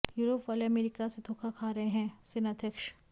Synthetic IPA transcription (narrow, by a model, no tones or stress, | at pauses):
juːɾoːpɐlɐmeːɾikased̪ʱoːkʰakʰaːɾɐɦẽɦɛ̃ːsɪnɐd̪ʱjɐkʃ